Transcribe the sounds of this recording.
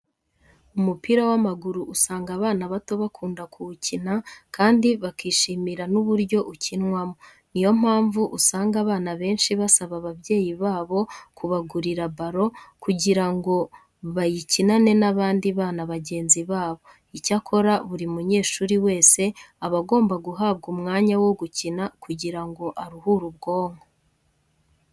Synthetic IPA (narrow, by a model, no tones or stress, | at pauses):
umupiɾawamaɡuɾuʔusaːŋɡaβaːnaβato̞βakʰuːndakʰuucinakaːndiβakiːʃiːmiɾanuβuɾɟo̞ʔucinwamo | nijo̞m̥haːɱvuʔusaːŋɡaβaːnaβe̞ːnʃiβasaβaβaβje̞ːjiβaːβo̞kʰuβaɡuɾiɾabaɾo̞kuɟiɾaŋɡo̞ | βajicinane̞naβaːndiβaːnaβaɟe̞ːnziβaːβo̞ | icakʰo̞ɾaβuɾimuɲe̞ːʃuːɾiwe̞ːse̞aβaɡo̞ːmbaɡuɦaːβɡumŋaːɲawo̞ɡucinakʰuɟiɾaŋɡo̞ʔaɾuhuɾubɡo̞ːŋo̥